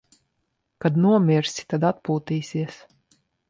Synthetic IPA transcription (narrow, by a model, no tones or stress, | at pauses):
kad̪nuɔmʲiɾsʲi̥t̪ad̪at̪̚puːt̪iːsʲiɛs